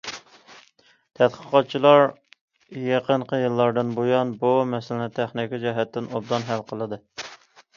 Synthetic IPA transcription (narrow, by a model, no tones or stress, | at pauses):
t̪ʰɛt̪qʰə̥qʰɑt̪̚t͡ʃʰilˠɑɾ | jeqʰənqʰəjɨlˠːɑɾd̪ɨnbojɑnbumɛsɪlɪnɪt̪ʰæχnɪkʲid͡ʒɑɦɛt̪ːɪnob̚d̪ɑnɦælqʰəlˠɨd̪ɨ